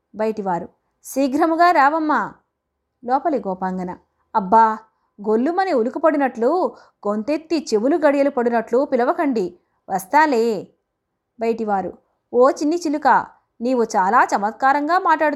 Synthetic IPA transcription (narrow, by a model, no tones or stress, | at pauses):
bɐjɐʈiʋaːɾu | siːɡɾɐmuɡaːɾaːʋɐmːa | lɔːpɐliɡɔːpaːŋɡɐnɐː | bːaː | ɡolːumɐniulukupɐɽinɐʈlu | ɡont̪et̪ːit͡ʃeʋuluɡɐɽijɐlupɐɽinɐʈlupilɐʋɐkɐɳɖi | ʋʔɐst̪aːleː | bɐjɐʈiʋaːɾṵ | oːt͡ʃinːit͡ʃilukɐ | niːʋut͡ʃaːlaːt͡ʃɐmɐt̪̚kaːɾɐŋɡaːmaːʈlaːɽu